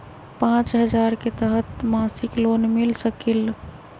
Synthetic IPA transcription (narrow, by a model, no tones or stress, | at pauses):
pãt͡ʃɦəd͡ʒaɾket̪əɦət̪masiklonmilsəkil